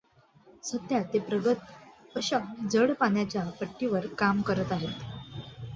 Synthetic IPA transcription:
sət̪jat̪epɾəɡət̪əɕad͡zəɽpaɳjat͡ɕjapəʈːiʋəɾkamkəɾət̪aɦet̪

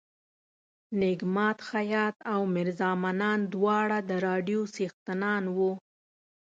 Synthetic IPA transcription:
nɪɡmɑt̪xajɑt̪awmɪɾzɑmanɑnd̪wɑɽad̪əɾɑɖijosext̪ɪnɑnwu

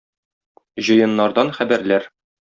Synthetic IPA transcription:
ʑɤ̆jɤ̆nːɑɾd̪ɑnχæbæɾlæɾ

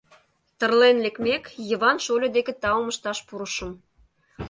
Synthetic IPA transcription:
t̪ə̆rlenlekmekjəβɑnʃolʲod̪eket̪ɑoməʃt̪ɑʃpuɾəʃə̆m

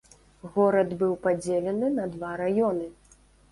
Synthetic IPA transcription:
ɣɔɾɐd̪bɨwpad͡zʲelʲɛnɨnɐd̪vaɾajɔnɨ

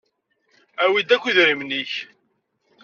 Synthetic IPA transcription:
æwid̪ækʷːiðɾimniç

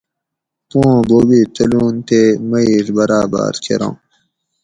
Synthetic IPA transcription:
põːboːbiːt̪ɐluːnt̪emɐiɾbɐɾaːba̰ːɾkʰḛɾõ̰ː

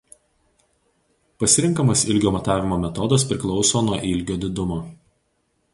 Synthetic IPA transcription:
pɐsʲɪɾʲɪŋˑkɐmɐsɪlʲɡʲoːmɐt̪ɑːʋʲɪmoːmʲɛt̪ɔd̪ɐspʲɾʲɪklˠɒʊsoːnuɔʔɪlʲɡʲoːd̪ʲɪd̪ʊmoː

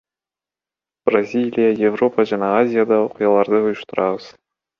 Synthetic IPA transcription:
b̥razʲilʲijajevro̞paʒanɑazʲijad̪ɑoqɨjɑlˠɑɾd̪əujʊʃt̪əɾɑbəz̥

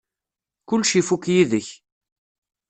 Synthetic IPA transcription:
kʊlːʃifukjiðəç

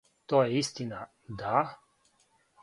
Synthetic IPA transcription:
t̪ojɛist̪ina | d̪a

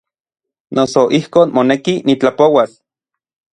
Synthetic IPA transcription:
nʔosoʔihkoːnmonekinit͡ɬapowas

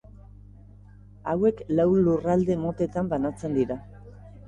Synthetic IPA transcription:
awe̞klawlurald̪e̞mo̞t̪e̞t̪ambanat͡se̞nd̪iɾa

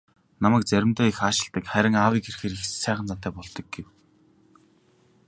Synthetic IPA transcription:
namæːk̚t͡sæɾʲɪ̆mt̪ʊːixaːʃɪ̆ɬt̪ə̆kχæɾʲɪ̆ŋaːwiːkerxeːɾixsæːχə̆nt͡sat̪æːpɔɮt̪ɞ̆k̚ɡew

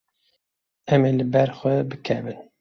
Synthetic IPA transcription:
ɛmeːlɨbɛɾxʷɛbɨkʰɛbɨn

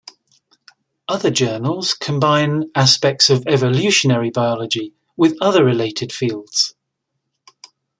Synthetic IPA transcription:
ʌðəd͡ʒɜːnəlˠz̥kʰə̃mbãɪ̃naspɛk̚tsəvɛvəljʉˑʃənəɹibaɪɒləd͡ʒi | wɪðʌðəɹɪleɪtʰɪd̥fiːlˠdz̥

